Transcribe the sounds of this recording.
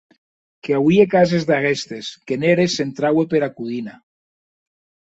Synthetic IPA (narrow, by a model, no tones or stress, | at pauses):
keawiekazezðaɣest̪eskeneɾesent̪ɾawepeɾakuðina